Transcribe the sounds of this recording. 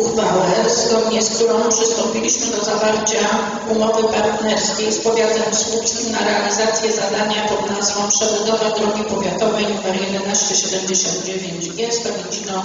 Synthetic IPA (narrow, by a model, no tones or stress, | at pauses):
ud̪vawɛzɡɔd̪ɲɛsk̚t̪uɾɔ̃w̃pʂɘst̪ɔ̃mpʲilʲiɕmɘd̪ɔzavaɾt͡ɕa | umɔvɘpaɾt̪nɛɾskʲejspɔvʲjat̪ɛmskupsʲinaɾɛalʲizat̪sʲjɛzad̪aɲapɔd̪nazvɔ̃w̃pʂɛvɔd̪ɔvɛwd̪ɾɔɡʲipɔvʲjat̪ɔvɛjvɛɾjɛd̪ɛnaɕt͡ɕɛɕɛd̪ɛmd͡ʑeɕɔ̃nd̪̚d͡ʑevʲjeɲd͡ʑɡʲɛspɔvʲid͡ʑinɔ